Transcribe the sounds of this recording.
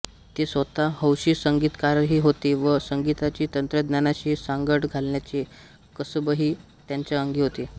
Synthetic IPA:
t̪esʋət̪aɦəwɕiːsəŋɡiːt̪kaɾɦiːɦot̪eʋəsəŋɡit̪at͡ɕiːt̪ənt̪ɾəd̪njanaɕiːsaŋɡəʈɡʱalɳjat͡ɕe | kəsəbəɦiː | t̪jaɲt͡ɕjaəŋɡiːɦot̪e

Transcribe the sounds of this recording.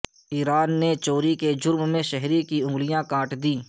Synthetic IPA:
iːɾaːnːet͡ʃoːɾiked͡ʒʊɾmmẽʃɛɦɾikiʊ̃ŋɡlɪjãkãːʈd̪iː

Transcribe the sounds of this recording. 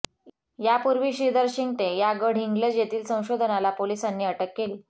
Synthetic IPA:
japuɾʋiːɕid̪əɾɕiŋɡt̪ejaɡəɽ̤ʱiŋɡləd͡zjet̪iːlsə̃w̃ɕod̪ʱənalapolisanːiːəʈəkːel

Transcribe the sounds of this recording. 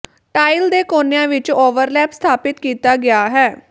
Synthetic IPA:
ʈaːɪld̪eːkoːnejãːʋɪt͡ʃoːʋəɾlɛːpst̪ʰaːpɪt̪kiːt̪aːɡɪaːɦɛː

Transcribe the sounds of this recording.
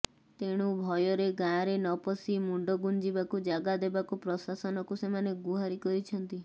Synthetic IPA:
t̪eɽ̃ubʱɔjɔɾeɡaɾenɔpɔsimuɳɖɔɡund͡ʒibakud͡ʒaɡad̪ebakupɾɔsasɔnɔkusemaneɡuɦaɾikɔɾit͡ʃʰɔnt̪i

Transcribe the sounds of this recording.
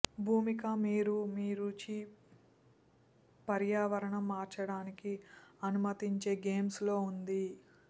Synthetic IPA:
bʱuːmikɐmiːɾumiːɾuːt͡ʃi | pɐɾjaːʋɐɾɐɳɐmːaːɾt͡ʃɐɽaːnikiɐnumɐt̪iɲt͡ʃe̞ːɡe̞ːmslo̞ːund̪i

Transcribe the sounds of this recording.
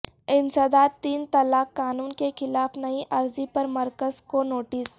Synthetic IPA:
ɪnsɐd̪aːt̪iːnt̪ɐlaːkːaːnuːnkexɪlaːfnɐiʔɐɾzipɐɾmɐɾkəzkonoːʈɪs

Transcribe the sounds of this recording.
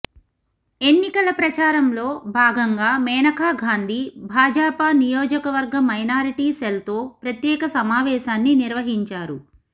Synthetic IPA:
e̞nːikɐlɐpɾɐt͡ʃaːɾɐmlo̞ːbʱaːɡɐŋɡaːmɛːnɐkʰaːɡʱaːnd̪ʱibʱaːd͡ʒaːpaːnijoːd͡ʒɐkɐʋɐɾɡɐmːɐjnaːɾiʈiːselt̪o̞ːpɾɐt̪jɛːkɐsɐmaːʋɛːʃaːnːiniɾʋɐɦiɲt͡ʃaːɾu

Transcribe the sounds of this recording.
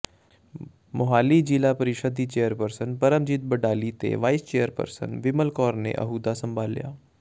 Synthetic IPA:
mʊɦaːlid͡ʒiːlapɐɾɪʃəd̪it͡ʃeːjəɾpəɾsənpɐɾəmd͡ʒɪt̪̚bɐɖaːlit̪ḛʋaːɪst͡ʃeːjəɾpə̰ɾsə̰nʋɪməlkɔːɾnḛʔɐ̰ɦuːd̪asə̃mbʱaːlːḭja̰ː

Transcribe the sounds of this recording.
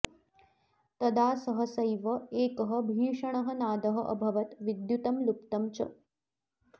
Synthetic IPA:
t̪ɐd̪aːsəɦəsəjʋəeːkəɦəbʱiːʂɐɳ̃ɐɦənaːd̪ɐɦɐʔə̰bʱɐʋɐt̪ʋid̪jut̪ɐmlupt̪ɐmt͡ɕɐ̰

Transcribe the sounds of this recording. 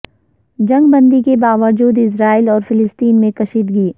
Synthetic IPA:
d͡ʒɐ̃ŋɡbɐ̃nd̪ikebaːʋəɾd͡ʒuːd̪ɪsɾaːilɔːɾfɪlɪst̪iːnmẽkɐʃiːt̪ɡiː

